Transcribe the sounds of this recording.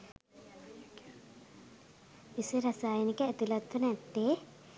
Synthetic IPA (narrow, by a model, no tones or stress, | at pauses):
iseɾɐsaːjenikəːt̪ilɐt̪ːunɛt̪ːeː